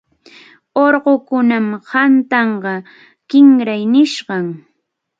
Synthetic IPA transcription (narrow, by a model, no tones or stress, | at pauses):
oɾɢokʊnamhant̪ɑɴɢɑ | kɪŋɾajnɪʃɢɑŋ